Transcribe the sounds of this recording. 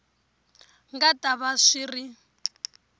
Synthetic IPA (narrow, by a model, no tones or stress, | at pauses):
ŋɡatʼaβaʂiri